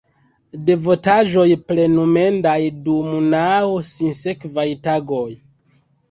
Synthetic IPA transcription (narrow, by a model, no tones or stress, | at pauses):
de̞vo̞taʒo̞jple̞nume̞ndajdumnawsinse̞kvajtaɡo̞j